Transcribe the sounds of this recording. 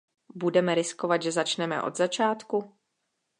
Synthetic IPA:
budɛmɛɾɪskovad̪ʒɛzat͡ʃnɛmɛ̰ʔo̞̰d̪zat͡ʃaːt̪ku

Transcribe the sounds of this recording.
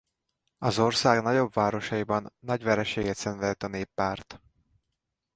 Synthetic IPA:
ɒzo̞rsaːɡnɒɟo̞bvaːɾo̞ʃɒjibɒnːɒɟʋɛɾɛʃeːɡɛt̪sɛnvɛlt̪ɒneːpːaːrt̪

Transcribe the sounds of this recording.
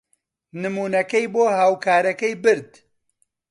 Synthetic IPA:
nɨmuːnɐkɐjboːɦaːwkʰaːɾɐkɐjbɨɾd̪

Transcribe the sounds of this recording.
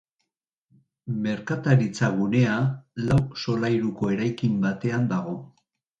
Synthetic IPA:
me̞ɾkat̪aɾit͡saɣune̞alawso̞lajɾuko̞e̞ɾajkimbat̪e̞and̪aɣ̞o̞

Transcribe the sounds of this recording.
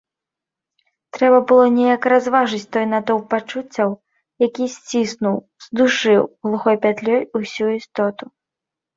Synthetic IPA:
t̪ɾɛbɐbɨlˠɔnʲɛjɐkɾazvaʐɨt͡sʲt̪ɔjnat̪ɔwpat͡ʂut͡sʲːɐw | jakʲisʲt͡sʲisnuw | z̥d̪uʂɨwɣlˠuxɔjpʲat̪lʲɔjusʲuist̪ɔt̪u

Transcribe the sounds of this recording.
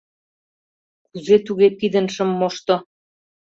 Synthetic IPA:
kuzet̪uɣepid̪ə̆nʃə̆mːoʃt̪ŏ

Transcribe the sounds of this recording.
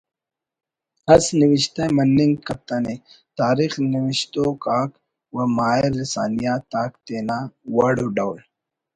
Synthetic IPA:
ɐsniwiɕt̪emɐnːiŋɡkɐp̚t̪ɐne | t̪aːɾiːxniwiɕt̪okaːk | wɐmaːeɾːisaːnijaːt̪aːkt̪eːnaːwɐɽuɖawl

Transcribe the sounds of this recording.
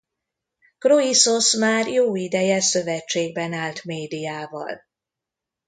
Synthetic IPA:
kroiso̞smaːrjoːid̪ɛjɛsøvɛt͡ʃːeːɡ̚bɛnaːlt̪meːd̪ijaːvɒ̰l

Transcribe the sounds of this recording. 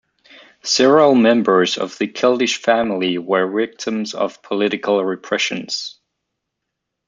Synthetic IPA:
sɛvəɹəlˠmɛ̃mbə˞zʌ̰vðɨkʰɪlˠdɪʃfæ̃ml̩ˠiwə˞vɪk̚tʰə̃mzʌ̰v̥pʰəlɪɾɨkʰəl̩ˠɹɪpʰɹ̥ɛʃɨ̃nz̥

